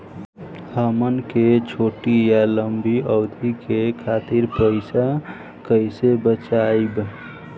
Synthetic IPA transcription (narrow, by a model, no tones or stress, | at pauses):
həmənket͡ʃʰoʈijaləmbʱiəwd̪ʱikekʰat̪iɾpəɪsa | kəɪsebət͡ʃajb